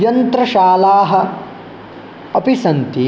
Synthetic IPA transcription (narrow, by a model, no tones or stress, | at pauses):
jɐnt̪ɾɐʃaːlaːɦɐ̆ | ɐpisɐnt̪i